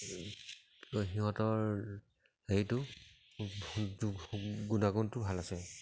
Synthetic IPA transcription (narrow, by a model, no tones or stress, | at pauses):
xiɦɔ̃tɔɹ | ejtʊ | ɡunaɡuntʊbʱalasɛ